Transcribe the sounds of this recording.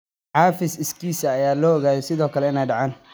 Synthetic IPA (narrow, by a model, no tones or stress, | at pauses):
ħɑːfɪsɪskʰiːsɐːjaːlɔːʔɔɣaːðɛsɪðɔːkʰɐlɛɪnɛjɖɑʕaːn